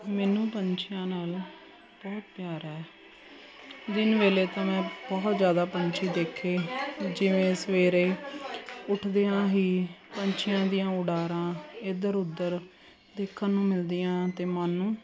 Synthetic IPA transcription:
mɛːnũːpəɲt͡ʃʰɪjãːnaːl | bɔːt̪̚pjaːɾɛː | d̪ɪnʋeːleːt̪ãːmɛ̃ːbɔːt̪zjaːd̪aːpəɲt͡ʃʰiːd̪eːkʰːeːd͡ʒɪʋẽːsəʋeːɾeː | ʊʈʰd̪eːãːɦiːpəɲt͡ʃʰɪjãːd̪ijãːʊɽaːɾãːɪd̪əɾʊd̪əɾ | d̪eːkʰːãːnũːmɪld̪ijãːt̪eːmaːnːũː

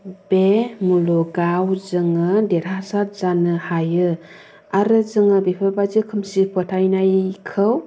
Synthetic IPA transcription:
bemulɔɡawzɯŋɯdeɾasaɾ̚zanɯhajɯ | aɾɯzɯŋɯbepʰəbazikʰɯmsipʰɯtʰajnajkʰɯw

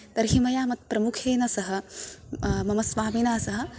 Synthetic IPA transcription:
t̪ɐɾɦimɐjaːmɐt̪̚pɾɐmukʰeːnɐsɐɦɐ̆ | mɐmɐsʋaːminaːsɐɦɐ̆

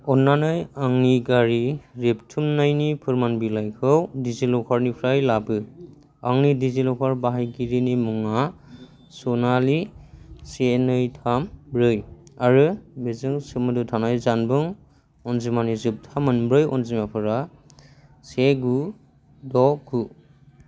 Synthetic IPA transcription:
ɔnːanajaŋniɡaɾiɾep̚tʰumnajnipʰɯɾmanbilajkʰɯwdizilɔkʰaɾnipʰɾajlabɯ | aŋnidizilɔkʰaɾbaɦajɡiɾinimuŋa | sɔnalisenɯjtʰambɾɯjaɾɯbezɯŋsɯmɯdutʰanajzanbɯŋ | ɔnzimanizɯp̚tʰamɯnbɾɯjɔ̰nzimapʰɯɾa | seɡu | dɔku

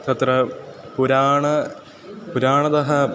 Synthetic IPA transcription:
t̪ɐt̪rɐpuɾaːɳɐ | puɾaːɳɐd̪ɐɦɐ

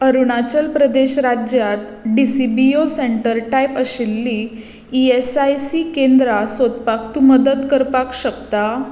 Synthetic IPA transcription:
əɾuɽat͡ɕəlpɾəd̪eɕɾad͡ʑjat̪ɖisibioseɳʈəɾʈajpəɕilːi | iesajsikẽnd̪ɾasot̪pakt̪uməd̪ət̪kəɾpakɕəkt̪a

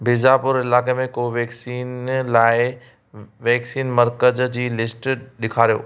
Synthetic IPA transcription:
bʱɪzapʊɾɪlaːkemẽkoʋeːksiːnlaːɪ | ʋɛːksiːnmɐɾkəzd͡ʑiːlɪsʈɗɪkʰaːɾijo̰ː

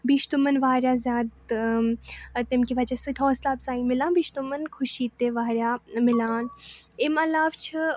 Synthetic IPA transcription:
biːʃt̪umɐnʋaːɾʲjaːzʲjaːd̪ | t̪emkiʋɐd͡ʒasɨt̪ʰɦɔːslaːbsaːĩmɪlãːbiːʃt̪umənkʰʊʃiːt̪eːʋaːɾʲjaːmɪlaːnemɐlaːʋt͡ʃʰɨ

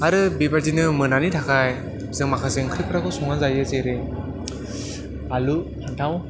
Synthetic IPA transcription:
aɾɯbibaɾzinɯmɯnanitʰakʰaj | zɯŋmakʰaseŋkʰɾipʰɯɾakʰɔsɔŋazajɯzeɾe | alupʰantʰaw

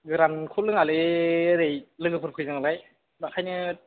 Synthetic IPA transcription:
ɡɯɾankʰulɯŋalɯɯɾejlɯɡɯpʰɯɾpʰɯjzɯŋalaj | bakʰajnɯ

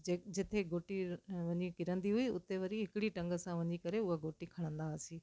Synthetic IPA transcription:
ed͡ʑɪt̪ʰeɡoːʈiʋɐ̃ɲikɪɾə̃nd̪iɦʊiʊ̰t̪eʋɐɾiɦɪkɪɽiʈɐ̃ŋɡəsãʋɐ̃ɲikɐɾeʊɦaɡoːʈikʰɐɽ̃ə̃nd̪asiː

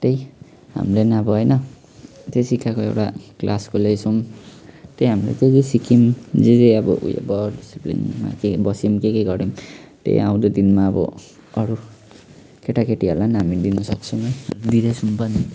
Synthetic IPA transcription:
t̪ej | ɦa̰mlenaːbʌɦʌjnʌ | t̪esikakoewʈaklʔaskolejsʰum | t̪ejɦamlḛk̪ekesikʰimd͡zed͡zeʌbʌ̰ṵjḛbʌɖisiplḭnma̰kebʌsimkekejɡʌɾimt̪ḛjã̰w̃d̪od̪inmaʌbʌ̰ | ʌɾu | keʈakeʈiʌɾlanamind̪inʌsʌk̚t͡sʰʌmɦʌjd̪iɾʌjsumpʌn

